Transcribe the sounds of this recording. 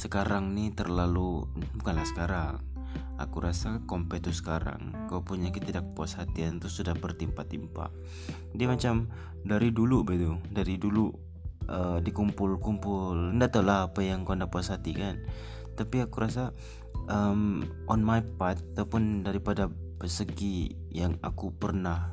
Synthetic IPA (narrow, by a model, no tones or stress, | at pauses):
səkaɾaŋnit̪ərlalubukanlahsə̥kaɾaŋ | a̰kuɾasakompɛt̪usə̥kaɾa̰ŋkawpuɲakət̪idak̚puashat̪iant̪usudahbərt̪impat̪impa̰ | diamat͡ʃam | daɾidulubait̪udaɾidulu | ədikumpʊlkumpʊləndat̪alaɦapajaŋkawandahpuashat̪ikan | t̪apiakuɾas̬a | ʔəm | ʔɔnmajpat̪̚at̪awpʊndaɾipada | bəsəɡi | jaŋa̰kupərnah